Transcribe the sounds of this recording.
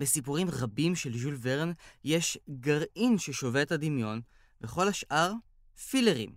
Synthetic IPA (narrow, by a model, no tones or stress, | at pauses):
besipuʁimʁabimʃe̞lʒulveʁnje̞ʃɡaʁʔinʃeʃo̞vetad̪imjo̞n | veχo̞lhaʃʔaʁ | fileʁḭm